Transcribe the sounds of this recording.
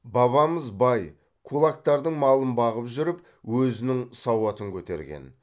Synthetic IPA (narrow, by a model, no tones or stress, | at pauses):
bɑβɑməzbɑj | kʰulˠak̚t̪ɑɾd̪əɴmɑlˠənbɑʁəpʒʏɾɪp | wɵzɪnɪŋsɑwɑt̪əŋkʲʰɵt̪e̞̰ɾɡʲḛn